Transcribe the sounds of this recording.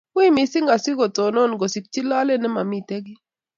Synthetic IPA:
wi˦mi˨sɪ˦ŋɡa˨sɪ˦ɡɔ˨to˨nɔ˦˨nɡo˨si˨k̚t͡ʃi˦la˦lɛ˦nɛ˦ma˨mi˨te˦ɡɪ˦

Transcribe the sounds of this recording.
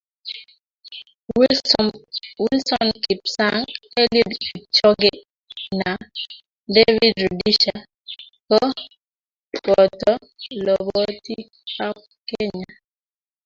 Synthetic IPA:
wi˦lsɔ˦nki˨psa˦ŋɛ˦li˦di˨t͡ʃɔ˦ɡe˦ | na˨ | de˦vi˦dɾu˨di˦ʃa˨ | kɔ˦ | kɔ˨tɔ˦ | lɔ˨bɔ˦ti˦ | a˦p̚ | ke˦ɲa˨

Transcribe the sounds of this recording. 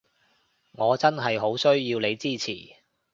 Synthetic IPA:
ŋɔː˨˧t͡sɐ˥nɦɐ˨jɦo˨˥wsɵ˥ɥjiː˧wle˨˧jt͡siː˥˩t͡sʰḭː˨˩

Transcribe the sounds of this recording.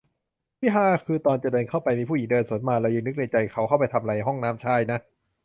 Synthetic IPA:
wi˦˥˩ɦaː˧˩kʰɯː˧t̪ɔː˧nt͡ɕa˨˩dɤː˧nkʰa˥˩wpa˧jmiː˧pʰuː˥˩˨i˩˦ŋdɤː˧nsu˩˦ənmaː˧ɾɛː˧wjiː˧nːɯ˦˥k̚na˧jt͡ɕa˧jkʰa˦˥wkʰa˥˩wpa˧jt̪ʰa˧mɾa˧jɦɔ˥˩ŋnaː˦˥mt͡ɕʰaː˧˩jna˦˥

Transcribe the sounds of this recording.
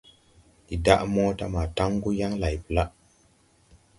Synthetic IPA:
i˨da˦ʔmɔ˦ta˦ma˨ta˦ŋɡu˦ja˦ŋla˨jpə˨la˦ʔ

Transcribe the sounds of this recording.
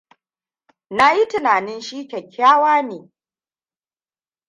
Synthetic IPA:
na˦ji˦tɪ˨naː˨nɪ˦nʃiː˦kʲɛ˨kʲːaː˦waː˦neː˨

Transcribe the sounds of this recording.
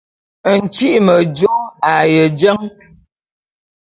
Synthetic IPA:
n̩˨t͡ʃi˦ʔmə˨d͡ʒo˦a˨jə˨d͡ʒə˦ŋ

